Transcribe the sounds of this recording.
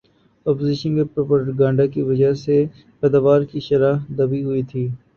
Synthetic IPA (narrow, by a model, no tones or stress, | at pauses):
ɔːpozɪʃənkepopəɾʈɡãːɳɖakiʋɐd͡ʒəɦse | pɛːd̪aːʋaːɾkiʃɐɾaːd̪ɐbiɦʊit̪ʰiː